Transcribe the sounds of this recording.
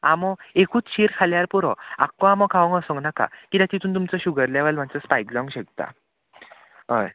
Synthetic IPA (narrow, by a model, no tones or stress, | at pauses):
amɔekʰuːt͡sɕiɾkʰaljaɾpuɾɔ̰a̰kːɔ̃amɔkʰaʋə̃ŋɡəsɔ̃ŋɡnaka̰kit̪at̪it̪ʰuːnt̪̬umt͡sɔɕuɡəɾlaʋəlm̤at͡səspajklɔ̃ŋɡɕəkt̪a̰ | ɦəj